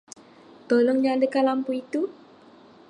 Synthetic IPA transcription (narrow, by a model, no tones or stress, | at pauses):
t̪olɔŋɲadəkalampuit̪u